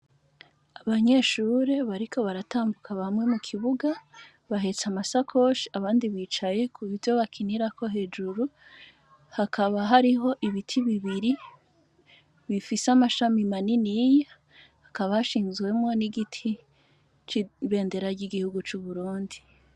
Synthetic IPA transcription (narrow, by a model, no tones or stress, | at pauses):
aβaɲe̞ːʃuːɾe̞βaɾikʰo̞βaɾataːmbukʰaβamŋe̞mukʰiβuɡa | βaɦe̞t͡samasakʰo̞ʃiaβaːndiβiːt͡ʃaje̞kʰuβivjo̞βakʰiniɾako̞ɦe̞ːd͡ʒuɾu | hakʰaβaɦaɾiɦo̞ʔiβitʰiβiβiɾi | βifisamaʃamimaninija | hakaβahaʃiːnzɡwe̞mŋo̞niɡitʰi | t͡ʃiβe̞ːnde̞ɾaɾɟiɡihuɡut͡ʃuβuɾuːndi